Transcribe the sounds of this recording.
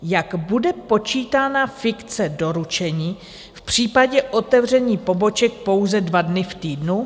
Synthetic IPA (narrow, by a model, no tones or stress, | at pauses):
jaɡbudɛpo̞t͡ʃiːt̪aːnafɪkt͡sɛdo̞ɾut͡ʃɛɲiː | fpr̝̥iːpaɟɛʔo̞t̪ɛvr̝ɛɲiːpo̞bo̞t͡ʃɛk̚po̞wzɛdvadnɪft̪iːdnu